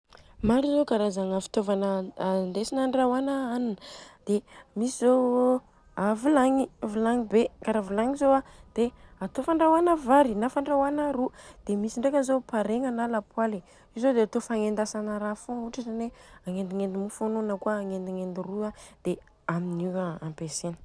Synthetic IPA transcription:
maɾizokaɾazaŋafi̥t̪ovanənd̪esinaɳɖ͡ʐawanəanind̪̥emisizo | avulaŋivulaŋibekaɾavulaŋizoad̪̥eat̪ofaɳɖ͡ʐawanəvaɾinafaɳɖ͡ʐawanaɾud̪̥emisiɳɖ͡ʐekənzopaɾeŋanalapwali | izod̪eat̪ofaŋend̪asanəɾafõuʈ͡ʂaʈ͡ʂaneaŋend̪iŋend̪imufononəkuaːŋend̪iŋend̪iruad̪̥e | aminiwaampesenə̥

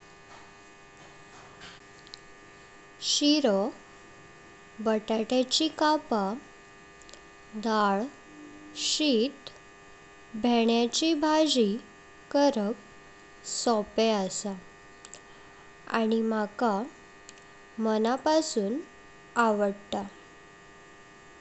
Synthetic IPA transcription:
ɕiɾɔ | bəʈaʈat͡ɕikapa | d̪aɭ | ɕit̪ | bʱɛɳjat͡ɕibʱad͡ʑi | kəɾək̚ | sɔpeasa | a̰ɽ̃imaka | mənapasuːn | aʋəɽt̪a

